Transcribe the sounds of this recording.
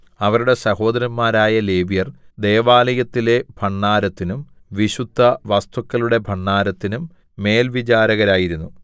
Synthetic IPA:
ɐʋɐɾuɽe̞sɐho̞ːd̪ɐɾɐnmaːɾaːjɐle̞ːbijɐrd̪ejɐʋaːlɐjɐt̪ːile̞bʱɐɳːaːɾɐt̪ːinum | ʋiɕud̪ʱːɐʋɐst̪ʰukːɐluɽe̞bʱɐɳːaːɾɐt̪ːinumː | e̞ːlʋit͡ɕaːɾɐɣɐɾaːjiɾunːu

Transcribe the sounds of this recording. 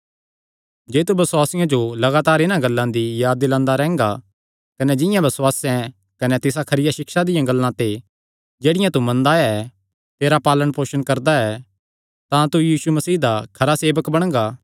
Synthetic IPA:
d͡ʒeːt̪ubɐswaːsɪjãd͡ʒolɐɡaːt̪aːɾɪnãɡɐlːãd̪ijaːd̪ːɪlãːnd̪aɾɛ̃ːŋɡa | kɐnɛd͡ʒɪ̃jãbɐswaːsɛ̃ | kɐnɛt̪ɪs̬akʰɐɾɪjaʃɪkʃad̪ɪjãɡɐlːãt̪e | d͡ʒeːɽɪjãt̪umɐ̃nd̪aɛ | t̪eːɾapaːləɽ̃poːʃəñkɐɾd̪aɛ | t̪ãt̪ujiːsumɐsiːd̪akʰɐɾaseːbəkbɐɽ̃ɡaː

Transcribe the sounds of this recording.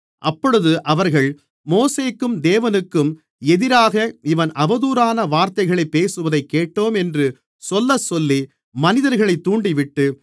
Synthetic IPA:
ʔɐpːɔɻɯðɯʔɐʋɐɾɣɐɭ | moːseːkːɯmd̪eːʋɐnɯkːɯm | ɛðɪɾaːɣɐɪʋɐnʔɐʋɐðuːɾaːnɐʋaːɾt̪ɐɪɣɐɭɐɪpːeːsɯʋɐðɐɪkːeːʈːoːmɛndrɯ | sɔlːɐsɔlːi | mɐnɪðɐɾɣɐɭɐɪt̪ːuːɳɖɪʋɪʈːɯ

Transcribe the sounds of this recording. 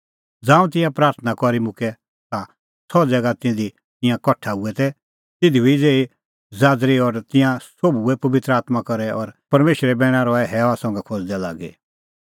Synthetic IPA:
d͡zãːũt̪ɪ̃jãpɾaːɾt̪ʰənakɔɾimʊ̃kɛ | t̪a | sʰɔd͡zɛːɡat̪ɪ̃d̪i | t̪ɪ̃jãkɔʈʰauɛt̪ɛ | t̪ɪd̪ʱibʱid͡zeːi | zaːd̪ɾiɔɾt̪ɪ̃jãsobuɛpɐʋɪt̪ɾəaːt̪makɔɾɛɔɾpɐɾmeːʃɾɛbɛːɽ̃ãɾɔɛɦɛːʋasɔ̃ŋɡɛkʰɔd͡zd̪ɛla̰ːɡḛ

